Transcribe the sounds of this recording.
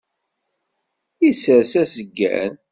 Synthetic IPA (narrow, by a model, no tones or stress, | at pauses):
isəɾsæsəɡːæ̰n